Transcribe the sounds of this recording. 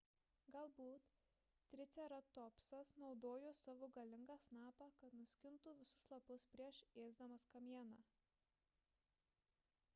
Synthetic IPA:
ɡɐlˠbuːt̪ | t̪ʲːɾʲɪt̪sʲɛɾɐt̪ɔpsɐsnɒʊd̪oːjoːsɑːʋoːɡɐlʲɪŋɡɑːsnɑːpɑkɐt̪nʊsʲkʲɪnt̪uːʋʲɪsʊslˠɐpʊspʲɾʲiɛʃeːzd̪ɐmɐskɐmʲiɛnɑ

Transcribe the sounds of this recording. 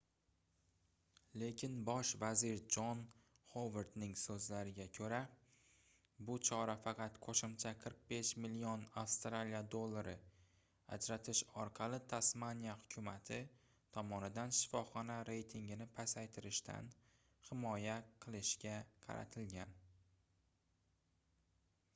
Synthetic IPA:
le̞kʲʰɪnbɒʃvazɪɾd͡ʒɒn | χoveɾd̪nɪŋsɵzlaɾɪɡʲakʲʰɵɾa | bʊt͡ʃʰɒɾafɑqʰɑt̪qʰoʃɪmt͡ʃʰaqʰɨɾq̚be̞ʃmɪlijonafst̪ɾalijad̪olˠːaɾɪ̰ | a̰d͡ʒɾat̪ʰɪʃɒɾqʰɑlˠɪt̪ʰasmanijahʊkʲʰʊmat̪ʰɪ | t̪ʰɒmɒnɪd̪anʃɪ̥fɒχɒnaɾe̞jt̪ʰɪŋɡʲɪnɪpʰasajt̪ʰɪɾɪʃt̪ʰa̰n | hɪmɒjaqʰɨlˠɪʃɡʲaqʰɑ̰ɾa̰t̪ʰɪlɡʲan

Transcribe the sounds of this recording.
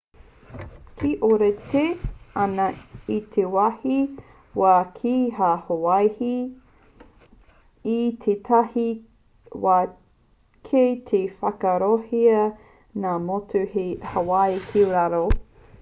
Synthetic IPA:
kʰiʔoɾeteɐnɐit̪ʰewahi | wakʰiɦahoajhi | t̪ʰetʰahi | wa | kʰetʰefɐkɐɾohiɐ | namotʰuhehɐwajkʰiuɾaɾo

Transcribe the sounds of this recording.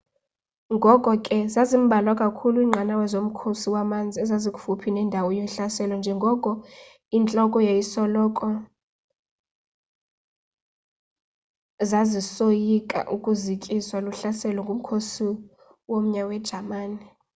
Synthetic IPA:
ŋɡʱɔkʼɔkʼɛzazim̩ɓʱalwakʼakʰuluiːŋ͡ǁʱanawɛzom̩kʰosiwamand͡zʱiɛzazikʼufupʰinɛndʱawɔjoɬasɛlɔnd͡ʒʱɛŋɡʱɔkʼɔ | int͡ɬʼɔkʼɔjejisɔlɔkʼɔ | zazisojikʼa̰ʔukʼuzikʼiswaluɬasɛlɔŋɡʱum̩kʰosi | wom̩ɲawɛd̥ʒ̥ʱamaːni

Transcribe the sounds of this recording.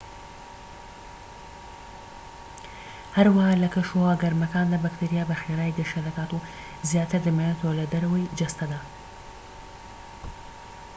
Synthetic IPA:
hɐɾwahalɐkɐʃowaɡɐɾmɐkaːnd̪abakt̪iɾijaːbɐxeɾaːjd̪əʃed̪ɐkaːt̪u | zjaːt̪ʰɨɾd̪ɨmajet̪ʰolɐd̪ɐɾɐwəjd͡ʒɐst̪ɐd̪a

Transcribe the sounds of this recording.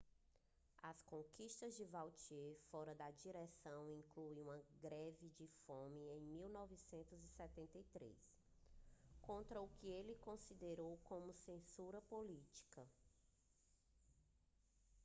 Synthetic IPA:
ɐskõkiʃt̪ɐzd͡ʒɪvawt͡ʃiefɔɾɐd̪ɐd͡ʒiɾɛsɐ̃w̃ĩŋkluiũmɐɡɾɛvɪd͡ʒɪfõmiẽj̃miwnɔvisẽnt̪ʊzisɛt̪ẽnt̪ɐjt̪ɾḛs | kõnt̪ɾɐukɪelɪkõsid̪eɾowkõmʊsẽsuɾɐpolit͡ʃi̥kɐ

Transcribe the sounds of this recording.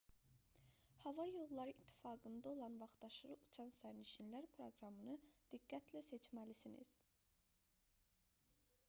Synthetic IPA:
hɑvɑjo̞lˠlːˠɑɾɯit̪ʰːi̥fɑːɡɯnd̪ɑo̞lˠɑnvɑχt̪ɑʃɯɾɯʔut͡ʃʰɑnsæɾniʃinlæɾpʰɾo̞̰ɡɾɑmɯnɯd̪̥iɡːæt̪ʰlæse̞t͡ʃmælisinḭz̥

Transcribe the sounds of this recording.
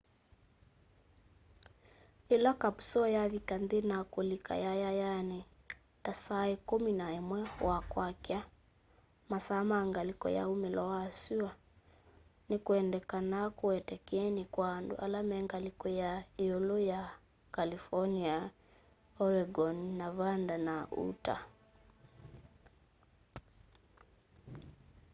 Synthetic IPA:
elakapu̥sɔjaβikandenakolika̰jajajane | tasaekominaemwɛwakwakja | masamaŋɡalikɔ̰ja̰umelɔwaːsua | nikuɛndɛkanakuɛtɛkɛnikwandṵʔalamɛŋɡalikɔjaiɔlɔja | kalifɔnia | ɔɾɛɡɔnnavandanaṵta̰

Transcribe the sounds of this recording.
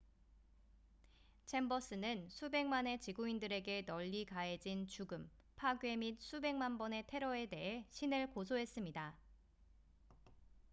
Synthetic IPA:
t͡ɕʰe̞mbʌs͈ɯnɯnsʰube̞ŋmane̞t͡ɕiɡuindɯɾe̞ɡe̞nʌʎːikaed͡ʑint͡ɕuɡɯm | pʰaɡɥe̞mit̚sʰube̞ŋmanbʌne̞tʰe̞ɾʌe̞de̞ɦe̞ɕʰinɯɭkosʰoɦe̞s͈ɯmɲida

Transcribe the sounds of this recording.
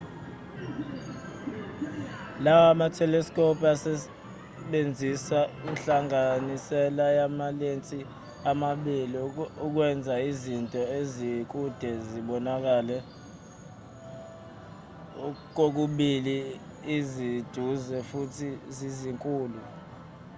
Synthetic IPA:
lawamatʰɛlɛskʰʼɔpʰasɛ | ɓend͡zʱisainɬʼaŋanisɛlajamalent͡sʼi | amaɓiliuk̬wɛnd͡zʱaizintʼɔezik̬ʼud̥ʱɛziɓɔnak̬alɛ | k̬ok̬uɓiliː | zid̥ʱuzɛfutʰiziziŋkʼuːlu

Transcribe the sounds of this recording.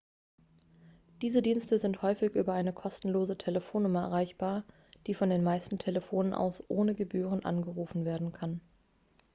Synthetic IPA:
d̥iːzədiːnstəzɪnthɔʏfɪçʔyːbɐaɪnəkʰɔstn̩loːzətʰeləfoːnːʊmɐɛ̰ʁaɪçb̥aːɐ | d̥iːfɔndeːnmaɪstn̩tʰeləfoːnənʔa̰ʊsʔoːnəɡəbyːʁ̞ənʔa̰nɡəʁuːfn̩veːɐdn̩kʰan

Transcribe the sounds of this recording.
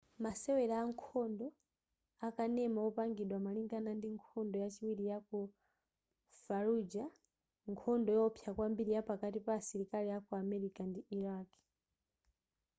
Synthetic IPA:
masɛwɛɾaːŋkʰɔndɔ | akanɛmaɔpaŋɡiɗwamaliŋɡanandiŋkʰɔndɔjat͡ʃiwiɾijaku | faɾud͡ʒa | ŋkʰɔndɔjɔɔpʰjakwambiɾijapakatipasiɾikaliakuamɛɾikandiʔiɾaːki̥

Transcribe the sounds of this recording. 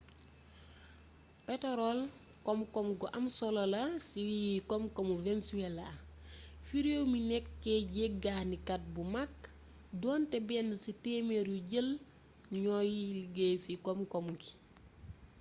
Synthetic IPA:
pɛtɔɾɔl | kɔmkɔmɡɔʔɐmsɔlɐlɐsiwiikɔmkɔmuvensuɛla | fiɾowminɛkːɛɟeɡahnikɐt̚bumak | dɔːntɛbɛːndɐsitemeɾuɟəl | ɲɔjiliɡesikɔmkɔmki̥

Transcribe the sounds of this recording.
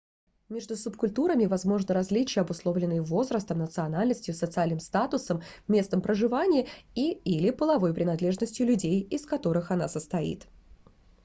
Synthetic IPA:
mʲe̞ʐd̪ʊsʊpkʊlʲt̪uɾəmʲɪvɐzmo̞ʐnəɾɐzʲlʲit͡ɕɪjəɐbʊslˠo̞vlʲɪnːɨjəvo̞zɾəst̪əmnət̪sɨɐnalʲnəsʲtʲjʊsət̪sɨalʲnɨmst̪at̪ʊsəmːʲe̞st̪əmpɾəʐɨvanʲɪəiilʲɪpəlˠɐvo̞jpɾʲɪnɐd̪lʲe̞ʐnəsʲtʲjʊlʲʉdʲejɪskɐt̪o̞ɾɨxɐnasəst̪ɐḭt̪

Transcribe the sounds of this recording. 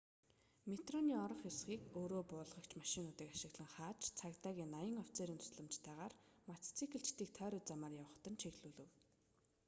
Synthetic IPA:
met̪rɔniːɔɾɞ̆χjʊsχiːkoːɾoːpʊːɮʁə̆kt͡ɕʰmaʃɪ̆nʊːt̪iːkaʃɪ̆ɣɮə̆ŋχaːt͡ɕt͡sʰakt̪aːɣʲiːnːajə̆ŋɔwt͡seːɾiːnt̪ʰʊ̥sɮə̆mt͡ɕt̪ʰæːʁaːrmat̪ʰt͡sʰikɘ̆ɬt͡ɕt̪iːk̚t̪ʰœːɾʊ̆t͡samaːrjawə̆χt̪ə̆nt͡ɕʰeɣɮuːɮɘ̆w

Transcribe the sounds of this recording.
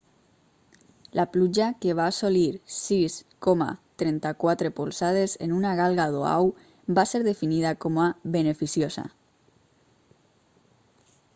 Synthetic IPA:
lʔaplud͡ʒakeβ̞aːsoliɾsiskoma̰t̪ɾent̪akwat̪ɾepolsað̞esḛnunaɣ̞alɣaðoa̰w | baseɾðefinið̞akomaβenefisjosa̰

